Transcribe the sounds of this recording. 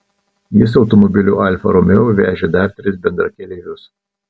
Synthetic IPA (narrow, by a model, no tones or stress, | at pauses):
jɪs̬ɒʊt̪ɔmɔbʲɪlʲuːʔɐlʲfɐ̰ɾɔmʲɛʊʋʲæːʒʲeːd̪ɐɾt̪ʲɾʲɪsbʲɛnd̪ɾɐkʲɛlʲeːʋʲʊs